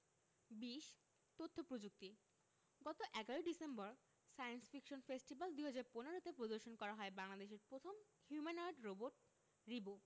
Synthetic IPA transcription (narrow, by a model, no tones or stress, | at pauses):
biʃ | t̪ot̪ʰːopɾod͡ʑuk̚t̪i | ɡɔt̪oʔɛɡaɾoɖisembɔɾ | sajensfikʃonfesʈibald̪uɦad͡ʑaɾponeɾot̪epɾod̪oɾʃonkɔɾaɦɔebaŋlad̪eʃeɾpɾot̪ʰom | hjumanaɾɖɾoboɾʈ̚ | ɾibo